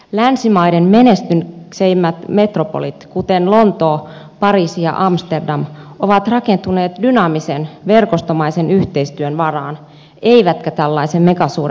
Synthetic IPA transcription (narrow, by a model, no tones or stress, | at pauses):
lænsimɑjdenmenest̪ynseimːæt̪me̞t̪ropolit̪kut̪enlo̞nt̪o̞ː | pɑɾiːsijɑ̰ʔɑmst̪erdɑmʔoʋɑt̪rɑke̞nt̪une̞ːt̪dynɑmisenʋe̞rkost̪omɑise̞nyht̪e̞ist̪yønʋɑrɑːn | e̞iʋæt̪kæt̪ælːɑisemme̞kɑsuːɾe